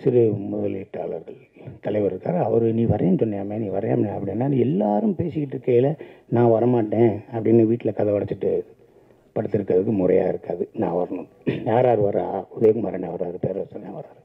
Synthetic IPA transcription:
sɪɾɯmʊðɐliʈːaːɭɐ̰ɾɣɐɭ | t̪ɐlɐɪʋɐɾɪɾɯkːa̰ːɾɐʋɐɾɯniːʋɐɾɐjɐnsɔnːɐjaːmeːniːʋɐɾɐja̰ːmɐnːɐpːɐɽɪnːaːnɛlːaːɾɯmpeːsɪkːɪʈːɪɾɯkːɐjɪlɐnãːʋɐɾɐmaːʈːẽːɐpːɐɽɪnːɐʋiːʈːɪlɐkɐðɐʋɐɽɐt͡ʃ̪ːɪʈːɯ | pɐɽɯt̪ːɪɾɯkːɐðɯkːɯmʊɾɐ̰ja̰ːɪɾɯkːaːðɯnã̰ːʋɐɾɐnɯ̃ | jaːɾaːɾɯʋɐɾa̰ʊðɐjkɐmɐɾɐnaʋɐɾaːɾɯpeːɾɐɐsɐnnã̰ːʋɐɾaːɾ

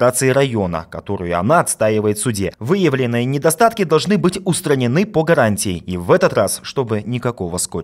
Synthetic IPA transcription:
at̪sɨɪɾɐjo̞nə̰kɐt̪o̞ɾʊjʊɐ̰naɐt̪st̪aɪvəjɪt̪sʊdʲevɨjəvlʲɪnːɨjənʲɪd̪ɐst̪at̪kʲɪd̪ɐlˠʐnɨbɨtʲʊst̪ɾənʲɪnɨpəɡɐɾanʲtʲɪjɪivɛt̪ət̪rasʂt̪o̞bɨnʲɪkɐko̞vəsko

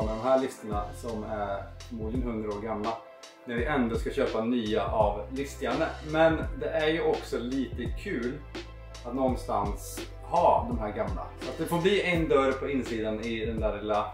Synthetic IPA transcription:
mɛd̪ɔmɦæːɭɪst̪əɳasɔmæɾfɔɾmuːd̪ɪɡənɦɵnd̪ɾaoːɾɡamla | næɾvɪʔɛnd̪oskaɕøːpanyːaʔavlɪst̪aɳəmɛnd̪ɛʔæɾjɵɔksɔliːt̪əkʰʉ̟ːl | at̪nɔnst̪a̰ns | hɑːd̪ɔmɦæːɾɡamla̰sat̪̚d̪ɛfoːɾbliːɛnd̪œɾpʰɔɪnsiːd̪anɪd̪ɛnd̪æːɾɪlːa

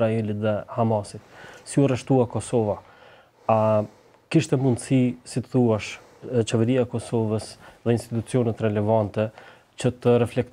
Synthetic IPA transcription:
ɾaɛlit̪ðɛhamasit̪siurɛʃt̪uakɔsɔva | a | kiʃt̪ɛmund̪sisit̪əθuaʃ | t͡ʃɛvɛɾiaɛkɔsɔvəsðɛinst̪it̪ut͡siɔnɛt̪ɾɛlɛvant̪ɛ | t͡ɕət̪ərɛflɛk̚t̪

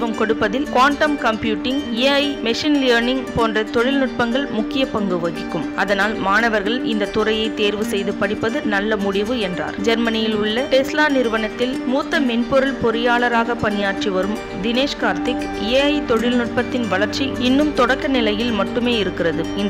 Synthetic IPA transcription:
ʋɐmkɔɽɯpːɐðɪlkaːɳʈɐmkɐmpjuːʈːɪŋeɐɪmɛʂɪnlɐːɾnɪŋɡpoːndrɐt̪ɔɻɪlnʊʈ̚pɐŋɡɐɭmʊkːɪjɐpɐŋɡɯʋɐɣɪkːɯmɐðɐnaːlmaːnɐʋɐɾɣɐɭɪnd̪ɐt̪ʊrɐjɐɪt̪eːɾʋɯsɛjðɯpɐɽɪpːɐðɯnɐlːɐmʊɽɪʋɯɛndra̰ːɾd͡ʒɐɾmɐnɪjɪlʊɭːɐʈɛslaːnɪɾɯʋɐnɐt̪ːɪlmuːt̪ːɐmɪnpɔɾɯlpɔɾɯjaːlɐɾaːɣɐpɐnɪjaːʈt͡ʃiʋɐɾɯm | d̪ɪneːʂkaːɾt̪ɪk | eːɐɪt̪ɔɻɪlnʊʈ̚pɐt̪ːɪnʋɐɭɐɾt͡ʃiɪnːɯmt̪ɔɽɐkːɐnɪlɐjɪlmɐʈːɯmeːɪɾɯkːɪrɐðɯɪn

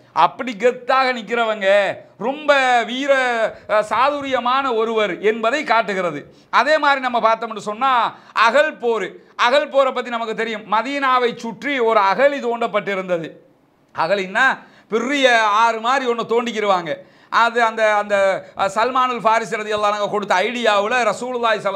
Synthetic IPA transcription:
ʔɐpːɐɽiɡɛt̪ːaːɣɐnɪkːɪɾɐʋɐŋɡɐɾɔmbɐʋiːɾɐsaːðʊɾɪjɐmaːnɐɔɾɯʋɐɾɛnbɐðɐɪkaːʈːɯɣɪɾɐðɯ | ɐðeːmaːd̪ɾinɐmːɐpaːɾt̪ɐːmɛnːɯsɔnːaː | ɐɣɐɭpoːɾɯ | ʔɐɣɐɭpoːɾɐpːɐt̪ːinɐmɐkːɯt̪ːɛɾɪjɯmːɐðiːnaːʋɐɪt͡ʃːʊʈriɔɾɯɐɣɐɭit̪oːɳɖɐpːɐʈːɪɾɯnd̪ɐðɯ | ɐɣɐɭɪnːaː | pɪrɪjɐaːɾɯmaːd̪ɾiɔnːɯ̃t̪oːɳɖɪk̬ːɪɾɯʋaːŋɡɐ | ʔɐðɯɐnd̪ɐːnd̪ɐsɐlmaːnɯlfaːɾɪsiɾɐðɪjɐlːaːnaːŋɡɐkɔɽɯt̪ːɐɐɪɽɪjaːʋɪlɐɾɐsuːlɯlːaːjɪsɐl

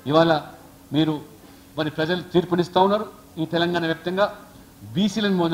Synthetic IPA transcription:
iʋaːlɐ | miːɾu | mɐɾipɾɐd͡ʒɐlut̪iːɾpɐnist̪aːunːaːɾu | iːt̪ɛlɐŋɡaːnɐʋjaːp̚t̪ɐŋɡaː | biːsiːlɐnimoː

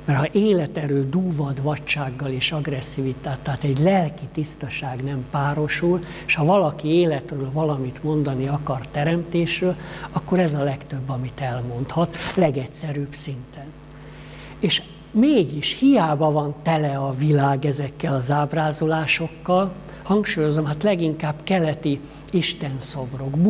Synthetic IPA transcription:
mɛrhɒʔeːlɛt̪ɛɾøːd̪uːvɒd̪ʋɒct͡ʃaːɡːɒleːʃɒɡrɛsːivit̪aːt̪ːaːt̪ɛɟlɛlkit̪ist̪ɒʃaːɡnɛmpaːɾo̞ʃuleʃhɒvɒlɒkieːlɛt̪røːlvɒlɒmit̪mo̞nd̪ɒniɒkɒrt̪ɛɾɛmt̪eːʃrøːlɒkːo̞ɾɛzɒlɛkt̪øbːɒmit̪ɛlmo̞nt̪hɒt̪lɛɡɛcsɛɾyːbsint̪ʰɛn | eːʃ | meːɡiʃhijaːbɒvɒnt̪ɛlɛɒvilaːɡɛzɛkːɛlɒzaːbraːzolaːʃo̞kːɒl | hɒŋkʃuːjo̞zomɦaːt̪lɛɡiŋkaːbkɛlɛt̪i | iʃt̪ɛnso̞bro̞ɡb

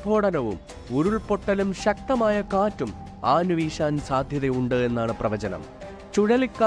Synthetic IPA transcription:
bʱo̞ːɽɐnɐʋṵm | uɾuɭpo̞ʈːɐlumɕɐk̚t̪ɐmaːjɐkaːtːum | aːnuʋiːɕaːnsaːd̪ʱjɐðejuɳɖɨe̞nːaːɳɨprɐʋɐt͡ɕɐnɐ̰m | t͡ɕuɻɐlikːa

